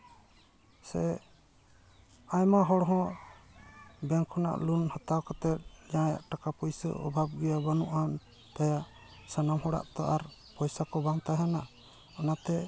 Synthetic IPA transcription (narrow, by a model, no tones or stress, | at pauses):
sɛ | ajmaɦɔɽɦɔ̃ | bɛŋkʰɔna̰ʔlunhət̪awkat̪ɛt̪̚ɲãja̰ʔʈakapujsə̰ɔ̰bʱab̚ɡɛjabanuʔan | t̪ajaʔ | sənamhɔɽa̰ʔt̪ɔʔaɾpɔjsakɔbaŋt̪aɦana | ɔnat̪ɛ